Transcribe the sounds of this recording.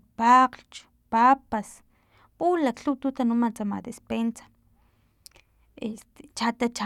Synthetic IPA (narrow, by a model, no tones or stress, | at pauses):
paqɬt͡ʃ | papas | pulakɬut̪ut̪anumant͡sama̰d̪espensḁ | est̪e̥t͡ʃat̪at͡ʃa